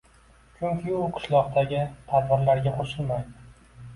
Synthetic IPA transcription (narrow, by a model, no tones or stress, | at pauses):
t͡ʃʰʊŋkʲʰɪʊqʰɨ̥ʃlˠɒqd̪aɡʲɪt̪ʰaɾvaɾlaɾɡʲaqʰoʃɪlmajd̪ɪ